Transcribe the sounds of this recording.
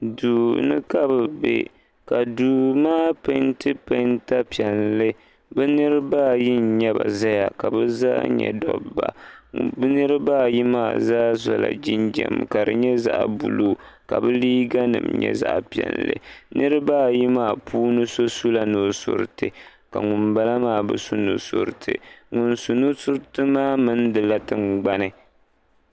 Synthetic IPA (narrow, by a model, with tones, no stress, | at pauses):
duː˨nɨ˦ka˦bɨ˨bḛ˦ | ka˨duː˨maː˦pe˦ntɨ˦pe˦nta˦pi˨ɛ˨nlɨ˦ | bɨ˦nɨ˦ɾɨ˦ba˦ji˦n˨ɲɛ˦ba˨za˦ja˨ka˨bɨ˦za̰ː˦ɲɛ̰˨dɔ˦bba̰˨bɨ˦nɨ˦ɾɨ˦ba˦ji˦maː˦˨zaː˦zɔ˨la̰˨d͡ʒi˦nd͡ʒɛ̰˨m˨ka˨ɾɨ˨ɲɛ˦za˦ʔbu˨luː˦ka˨bɨ˦liː˦ɡa˦nɨ̰˨mɲɛ̰˦za̰˦ʔpi˨ɛ̰˨nlɨ̰˨nɨ˦ɾɨ˦baː˦ji˦maː˦˨pʰuː˦nɨ˦so˦su˦la˦no˨sʊ̰˨ɾɨ˨tɨ˨ | ka˨ŋʊ˨mba˦la˦maː˦bɨ˦su˦nu˨sʊ̰˨ɾɨ˨tʰɨ˨ŋʊ˨nsu˨nu˦sʊ˦ɾtɨ˦maː˦mɨ˦ndɨ˨la˦tɨ˨ŋɡ͡ba˦nɨ˨